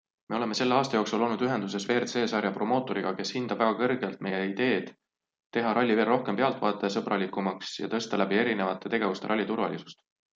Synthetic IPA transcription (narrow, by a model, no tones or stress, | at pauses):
me̞o̞leme̞se̞lːe̞ɑːst̪ɑjoːksulo̞lnud̪yɦe̞nd̪us̬e̞sve̞ːrt̪se̞ːsɑɾjɑpro̞mo̞ːt̪ːˑo̞ɾiɡ̥ɑke̞shind̪̥ɑb̥væɡɑkɤrɡ̥e̞lt̪̚me̞jeid̪e̞ːd̪̥ | t̪ːe̞ɦɑɾɑlʲːive̞lro̞hke̞mpe̞ɑlt̪vɑːt̪ːˑesɤb̥rɑlikːˑumɑksjɑ̰t̪ɤst̪ɑlæbie̞ɾine̞vɑt̪ˑːe̞t̪e̞ɡ̥e̞vust̪e̞ɾɑlʲːit̪urvɑ̰lʲisu̥st̪